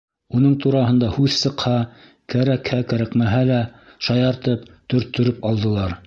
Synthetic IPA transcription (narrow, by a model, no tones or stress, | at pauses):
unɤɴt̪uɾɑɦɤ̆nd̪ɑhʉðsɤ̆qhɑ | kæɾækhækæɾækmæɦælæ | ʃɑjɑɾt̪ɤpt̪ɵ̆ɾt̪ːɵ̆ɾɘpɑlˠd̪ɤ̆lˠɑɾ